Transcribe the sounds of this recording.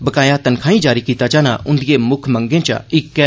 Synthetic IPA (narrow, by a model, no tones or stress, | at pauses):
bəkaːjãːt̪ənkʰaːĩːd͡ʒaːɾiːkiːt̪aːt͡ʃaːnã̰ːʔʊ̃nd̪ɪjeːmʊkʰmə̃ŋɡẽːt͡ʃa̰ɪkːɛ